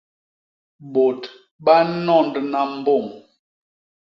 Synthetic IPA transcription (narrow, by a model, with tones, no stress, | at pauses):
bo˨t | ɓa˦nɔ˦˨ndna˨m̩˦bo˦˨m